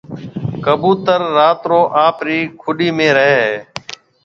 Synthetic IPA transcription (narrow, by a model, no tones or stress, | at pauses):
kəbuːt̪əɾːaːt̪ɾoːʔãːpɾiːkʰʊɗiːmẽːɾəɦeːɦeː